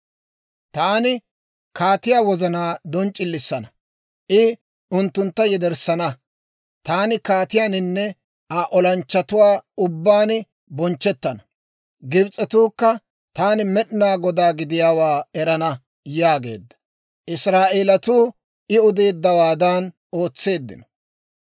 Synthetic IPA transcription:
t̪aːnɪ | kaːt̪ɪjaːwɔzɐnaːd̪ɔnt͡ʃʼːɪlːɪsːɐnɐ | ʔɪ | ʊnt̪ːʊnt̪ːɐjɛd̪ɛɾsːɐnɐ | t̪aːnɪkaːt̪ɪjaːnɪnːɛ | aʔɔlɐnt͡ʃːɐt̪ʊwaːʊbːaːn | bɔnt͡ʃːɛt̪ːɐnɐ | ɡɪbt͡sʼːɛt̪uːkːɐ | t̪aːnɪmɛɗnaːɡɔd̪aːɡɪd̪ɪjaːwaːɛɾɐnɐ | jaːɡe̞̰ːd̪ːɐ̥ | ʔɪsɾaːʔeːlɐt̪uː | ʔɪʊd̪e̞ːd̪ːɐwaːd̪aːn | o̞ːt͡sːe̞ːd̪ːɪ̰nɔ̥

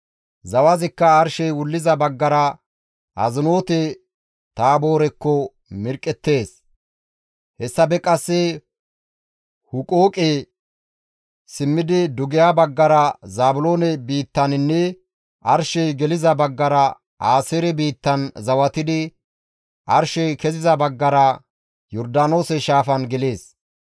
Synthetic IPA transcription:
zɐwɐzɪkːɐːɾʃɛjwʊlːɪzɐbɐɡːɐɾɐ | ʔɐ̰zɪno̞ːt̪ɛ | t̪aːbo̞ːɾɛkːɔ | mɪɾkʼɛt̪ːe̞ːs | hɛsːɐbɛkʼɐsːɛ | hʊkʼoːkʼe | sɪmːɪd̪ɪd̪ʊɡɛjabɐɡːɐɾɐzaːbʊlo̞ːnɛbiːt̪ːɐnɪnːɛ | ʔɐɾʃɛjɡɛlɪzɐbɐɡːɐɾɐ | ʔaːseːɾɛbiːt̪ːɐnzɐwɐt̪ɪd̪ɪ | ʔɐɾʃɛjkɛzɪzɐbɐɡːɐɾɐ | jɔɾd̪aːnoːsɛʃaːfɐnɡɛleːs

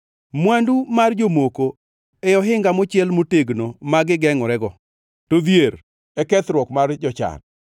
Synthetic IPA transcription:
mwandumard͡ʒomoko | ɛjɔɦɪŋɡamot͡ʃjɛlmoteɡnomaɡɪɡɛŋɔɾɛɡɔ | toðjeɾ | ɛkɛt̪ɾwɔkmard͡ʒɔt͡ʃa̰n

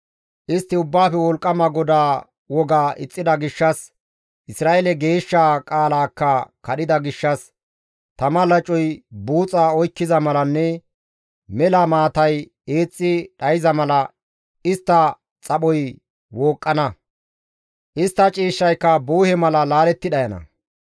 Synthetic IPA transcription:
ʔɪst̪ːɪʊbːaːfɛwɔlkʼːɐmɐɡɔd̪aː | wɔɡaːʔɪt͡sʼːɪd̪ɐɡɪʃːɐs | ʔɪsɾaːʔɛlɛɡe̞ːʃːakʼaːlaːkːɐkɐɗɪd̪ɐɡɪʃːɐs | t̪ɐmɐlɐt͡ʃʼɔjbuːt͡sʼːaːɔjkːɪzɐmɐlɐnːɛ | mɛlɐmaːt̪ɐj | eːt͡sʼːɪɗɐjɪzɐmɐlɐ | ɪst̪ːɐ | t͡sʼɐɓɔj | woːkʼːɐnɐ | ʔɪst̪ːɐt͡ʃʼiːʃːɐjkːɐbuːhɛmɐlɐlaːlɛt̪ːɪd̪ɐjɐnɐ̰

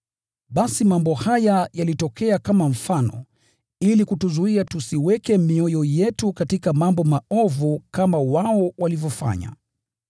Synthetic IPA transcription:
ɓasimambɔhajajalitɔkɛakamam̩fanɔ̰ | ilikutuzuiatusiwɛkɛmiɔjɔjɛtukatikamambɔmaɔvukamawaɔwalivjɔfa̰ɲa̰

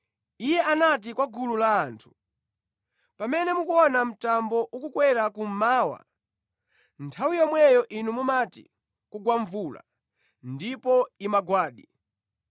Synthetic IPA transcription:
ijɛʔanat̬ikwaɡululaːntʰu̥ | pamɛnɛmukuɔnam̩tambɔʔukukwɛɾakum̩maːwa̰ | ntʰawijɔmwɛjɔʔinumumatḭ | kuɡwaɱvula̰ | ndipɔimaɡwaːɗi

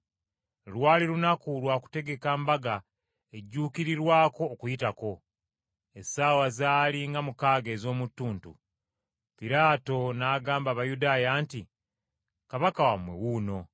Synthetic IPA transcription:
lwaːliɾunakulwaːku̥te̞ɡe̞kambaɡa | e̞ɟːuːkiɾiɾwaːko̞ːkujitako̞ | esaːwazaːliŋɡamukaːɡe̞ːzo̞ːmutːuːntṵ | piɾaːto̞naːɡaːmbaːβajudaːjaːnti | kaβakawamwe̞̰wuːno̞

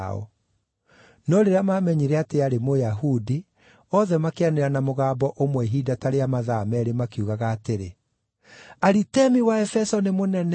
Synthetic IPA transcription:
ɔ̰ | nɔɾeɾeamamɛɲiɾeateaɾemojaɦudi | ɔðɛmakeaneɾanamoɣaːbɔʔomwɛɦidataɾeamaðamɛɾemakiuɣaɣaːteɾe | aɾitɛmiwaɛfɛsɔnemonɛnɛ

